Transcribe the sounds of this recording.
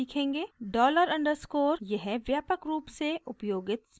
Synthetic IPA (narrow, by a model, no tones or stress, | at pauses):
iːkʰẽːŋɡeːɖɔːləɾɐ̃ɳɖəɾskoːɾjɐɦɛʋjaːpəkɾuːpseʊpjoːɡɪt̪s